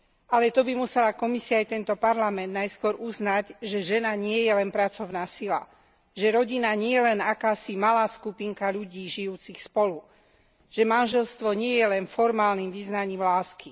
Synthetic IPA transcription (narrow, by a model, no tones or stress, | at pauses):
alɛt̪ɔbimusɛlakɔmisiaːjt̪ɛnt̪ɔpaɾlamɛnd̪najskʊɔɾʔuznaɟʒɛʒɛnaɲɪɛjɛlɛnpɾat͡sɔʊnaːsila̰ | ʒɛɾɔɟinaɲɪɛjɛlɛnakaːsimalaːskupiŋkaʎuɟiːʒijuːt͡sixspɔlu | ʒ̥ɛmanʒɛlst̪ʋɔɲɪɛjɛlɛnfɔɾmaːlniːmʋiznaɲiːmlaːski